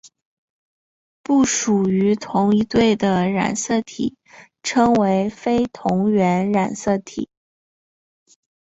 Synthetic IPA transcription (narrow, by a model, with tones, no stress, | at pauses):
pu˥˩ʂu˨˩y˧˥t̪ʰʊ˧˥ŋi˧t̪we˥˩ɪd̪ə˩ɻa̰˨˩nsɤ˥˩t̪ʰḭ˨˩˦ | ʈ͡ʂʰɤ˥ŋwe˧˥ɪfe˥ɪt̪ʰʊ˧˥ŋɥɛ˧˥nɻa˨˩nsɤ˥˩t̪ʰḭ˨˩˦